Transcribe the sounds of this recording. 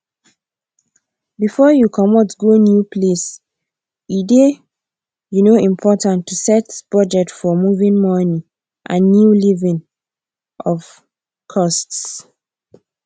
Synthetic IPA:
bifɔjukʰɔmɔtɡonjupʰles | ide | junoĩmpʰɔtãntʰːusɛtb̥ɹɔd͡ʒɛtfɔmuvĩnmɔni | ʔãnːjulivĩn | ʔɔv | kʰɔsts

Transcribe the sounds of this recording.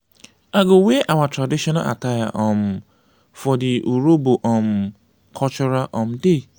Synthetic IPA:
aɡoweʔawatɾadiʃɔna̰a̰taja̰ʔɔ̃m̩ | fɔdɪʔuɾoboʔɔm̩ | kʰɔt͡ʃʊɾaʔɔ̃m̩de

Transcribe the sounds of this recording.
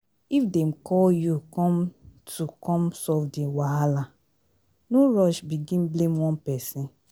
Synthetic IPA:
ifdɛmkɔljukɔ̃mtʰukɔ̃msɔvdiwaɦala | noɹɔʃbiɡĩnblẽmwɔ̃npɛsĩn

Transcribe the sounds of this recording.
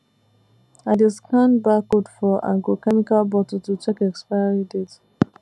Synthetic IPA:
adɪskʰãnbakodfɔʔa̰ɡokɛmikalbɔtɔtut͡ʃɛkɛkspaɪaɹidet

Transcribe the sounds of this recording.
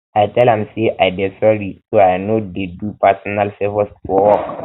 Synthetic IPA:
ajtɛlãmseʔajbɛsɔɾisoajnodedupasɔnalfevɔsfɔwɔk

